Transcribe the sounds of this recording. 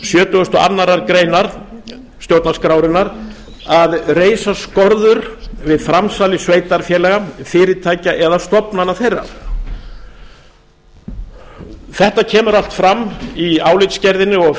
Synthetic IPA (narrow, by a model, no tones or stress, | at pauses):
sjœːt̪ʏɣʏst̪ɔʔa̰nːaɾaɾkɾeːjnaɾ̥ | st̪jowɾt̪naskɾaːwɾɪnaɾ | aðreːjsaskɔɾðʏɾvɪðfɾamsaːlɪsveːjt̪aɾfjɛːlɛɣafɪːɾɪt̪ʰaːjcaʔɛðast̪ɔpnanːaθejrːa̰ɾ̥ | θɛht̪acʰɛːmʏɾal̥t̪fɾamːiaːwlɪt̪scɛɾðɪnːɪɔɣ